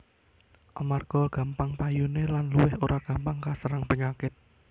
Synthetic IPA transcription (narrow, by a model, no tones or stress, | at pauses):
ʔa̰marɡ̥ɔɡ̥ä̤mpaŋpajunelanluwɪhoɾʔaɡ̥ä̤mpaŋkasəɾaŋpəŋakɪt̪̚